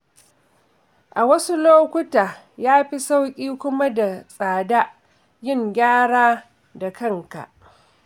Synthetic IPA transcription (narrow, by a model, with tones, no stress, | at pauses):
ʔa˨wɐ˦su˦loː˦kʷʊ˦taː˨ | jaː˦ɸi˦sa˦wkʲʼiː˦kʷʊ˦ma˦da˨sʼaː˨da˦ | jɪ˦˨ŋɡʲaː˦ɽaː˦ | da˨kɐ˦ŋka̰˨ʔ